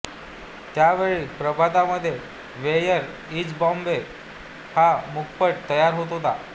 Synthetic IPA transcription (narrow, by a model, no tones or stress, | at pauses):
t̪jaʋeɭipɾəbʱat̪aməd̪ʱːje | ʋejəɾ | id͡zbɔ̃mbe | hamuk̚pəɽt̪əjaɾɦot̪ɦot̪a̰